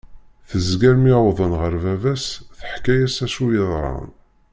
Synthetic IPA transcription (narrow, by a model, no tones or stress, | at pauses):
θəzɡæɾmiwðˤənʁəɾvævæsθə̥ħkæjæsæsujəðˤɾˤɑ̰n